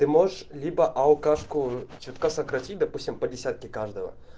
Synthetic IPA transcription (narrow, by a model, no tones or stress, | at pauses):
t̪ɨmoʐəʂlʲibəʔɐlˠkaʂkʊt͡ɕut̪kasɐkɾɐtʲit̚ʲd̪ɐpusʲtʲɪmpədʲɪsʲat̪̚kʲɪkaʐd̪əvə̰